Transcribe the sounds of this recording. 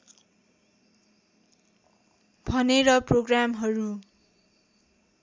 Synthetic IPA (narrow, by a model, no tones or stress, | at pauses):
bʱʌneɾʌproɡramɦʌɾu